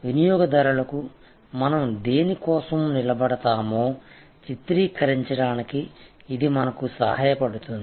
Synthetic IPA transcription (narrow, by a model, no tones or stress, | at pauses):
ʋinijɔːɡɐd̪ɐɾulɐku | mɐnɐmd̪e̞ːnikɔːsɐmnilɐbɐɽɐt̪aːmo̞ː | t͡ʃit̪ɾiːkɐɾiɲt͡ʃɐɽaːnikiː | d̪imɐnɐkusɐ̰haːjɐpɐɽut̪und̪i